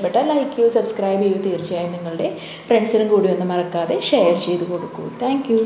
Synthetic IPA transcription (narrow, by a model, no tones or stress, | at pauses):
pːeʈːɐlɐɦikʲːjusɐbskrɐːjbiːʋut̪iːrt͡ɕɐjaːjinniŋːɐɭuɽe̞ | freɳɖsilumkuːɽiʋonːɨmɐrɐkːaːðe̞ʂejɐrt͡ɕe̞jt̪uko̞ɽukːṵmt̪ʰaːŋkju